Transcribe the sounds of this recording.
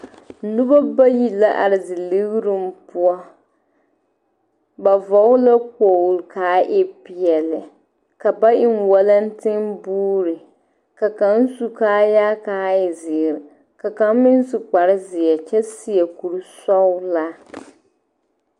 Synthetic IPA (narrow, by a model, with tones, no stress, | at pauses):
nu˦ba˦ba˦ji˨la˦ʔa̰˨ɾɪ˨zɪ˨lɪ˦ɣɾɨ˦m̩˦pu˦ɔ˦ | ba˨vɔ˨˦ʊ˦la˦k͡po˨lkaː˨˦ʔɛ˦pi˨ɛ˨lɪ˨ | ka˨ba˦ʔɪ˨nwɔ˦la˦n̩˦tɪ˦ŋbuː˦ɾɪ˨ | ka˨ka˦n̩˦su˦kaː˦jaː˦kaː˦ɪ˨zɪ˨ɾ | ka˨ka˨m˦mɪ˦n˦su˨k͡pa˨ɾɪ˦zɪ˨ɛ˨t͡ʃɛ˦si˨ɛ˨ku˨ɾu˦sɔ˦ʊ˦la˦